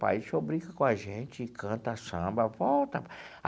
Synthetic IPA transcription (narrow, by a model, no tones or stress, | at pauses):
pa̰jsobɾikɐkõaʒẽt͡ʃɪɪkʰɐ̃nt̪ɐasɐ̃mbɐvɔwt̪ɐ